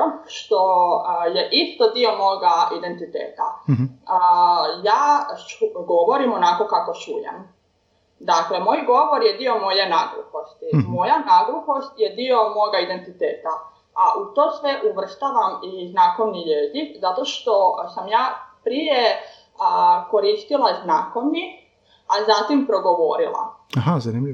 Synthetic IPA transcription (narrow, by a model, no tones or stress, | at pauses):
ʃt̪oje̞ʔist̪o̞d̪io̞mo̞ɡaʔid̪e̞nt̪it̪ḛːt̪aəjaːt͡ʃɡo̞ʋo̞ɾimo̞nako̞kako̞t͡ʃujḛn | d̪akle̞mo̞ːjɡo̞ʋoɾjed̪io̞mo̞je̞naɡɾṵxost̪imo̞janaɡɾuxo̞st̪jed̪io̞mo̞ɡaid̪e̞nt̪it̪eːt̪a | aʔut̪o̞sʋe̞ʔuʋr̩st̪aʋamiznako̞ʋniʎezikzat̪o̞ʃt̪o̞samjaːpɾije | ko̞ɾist̪ilˠaznaːko̞ʋni | azat̪impɾo̞ɡo̞ʋo̞ɾḭlˠa̰aɦazanimʎ